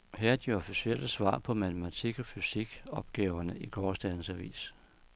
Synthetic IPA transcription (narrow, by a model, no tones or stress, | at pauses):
heɐæd̥iɒ̽fisiel̰əsʋɑ̰̈ːpʰɒ̽mæt͡sʰəmæt͡sʰiɡ̥ɒfysiɡ̥ɒ̽b̥ɡ̥ɛːʊɐnəʔikʰɒːsd̥æn̩sæʋḭːs